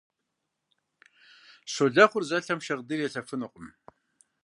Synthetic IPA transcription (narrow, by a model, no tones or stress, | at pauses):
ɕoɮɐχʷʊrzɐɬɐmʃɐʁdɨrjɛɬɐfɨnɨqʼʊm